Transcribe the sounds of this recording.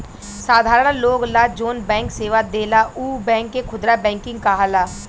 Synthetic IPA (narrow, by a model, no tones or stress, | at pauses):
saːd̪ʱaːɾəɽnloːɡlaːd͡ʒoːnbɛ̃ːŋkseːʋaːd̪eːlaːʔuːbɛ̃ːŋkːekʰʊd̪ɾaːbɛ̃ːŋkɪŋɡ̚kaːɦaːlaː